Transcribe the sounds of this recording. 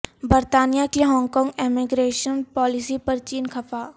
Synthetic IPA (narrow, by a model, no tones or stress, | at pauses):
bɐɾt̪aːnijakiɦɔ̃ːŋɡkɔ̃ːŋɡemiɡɾeːʃənpɔːlɪsipɐɾt͡ʃiːnkʰɐfaː